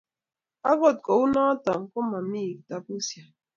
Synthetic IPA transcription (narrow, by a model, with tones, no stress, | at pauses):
a˦ɡɔ˦˨t̚kɔ˨u˦nɔ˦ta˨ŋ̩˨kʊ˦ma˨m̩˦i˦˨ta˨pu˦sja˨